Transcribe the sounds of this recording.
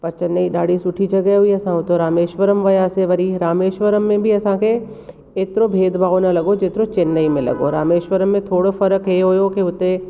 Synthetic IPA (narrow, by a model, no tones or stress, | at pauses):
pɐɾt͡ʃɐnːəiɗaːɽ̤isʊʈʰid͡ʒɐɡəɦɦʊiɐsãʊt̪oɾaːmeːʃʋəɾəmʋɐjaːseʋɐɾiɾaːmeːʃʋəɾəmːẽbʱiɐsãkʰe | eːt̪ɪɾobʱeːd̪baːonɐlɐɡod͡ʒet̪ɪɾot͡ɕɪnːəimẽlɐ̰ɡo̰ɾaːmeːʃʋəɾəmːẽt̪ʰoːɽofɐɾəkɦeɦʊjokiʊt̪e